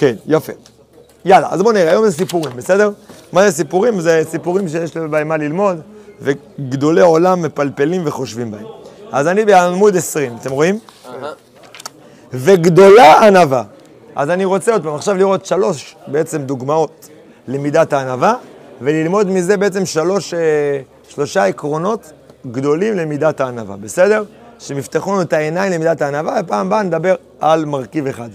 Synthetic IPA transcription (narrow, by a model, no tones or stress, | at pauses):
ke̞njafe̞ | jala̰a̰zbo̞niʁeajo̞mzes̬ipuʁimbese̞de̞ʁmazes̬ipuʁimzesipuʁimʃejeʃlibaemalilmo̞d̪ve | ɡd̪o̞le̞o̞lamːe̞palpe̞limve̞χo̞ʃvimbaemazanibeamud̪e̞sʁimat̪emʁo̞im | ve̞ɡd̪o̞laanava̰ | ʔa̰zaniʁo̞t͡se̞o̞d̪̚paːmaχʃavliʁo̞t̪ʃalo̞ʃbeet͡se̞md̪uɡmao̞t̪ | le̞mid̪at̪aːnavave̞lilmo̞d̪mize̞be̞et͡se̞mʃalo̞ʃe | ʃlo̞ʃaekʁo̞no̞t̪ | ɡd̪o̞limle̞mid̪at̪aːnava̰be̞se̞d̪e̞ʁ | ʃemift̪eχonuetaenajmlemidataːnavavepaːmbaned̪abe̞ʁ | almaʁkive̞χad̪